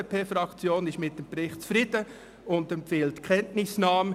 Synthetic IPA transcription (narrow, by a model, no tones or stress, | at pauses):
pʰeːfɾɑkt͡sjoːnɪʃmɪt̚d̥empɾɪχtt͡sfɾɪd̥ə | ʊndɛmpfeːltkʰχɛntnɪsnɑːm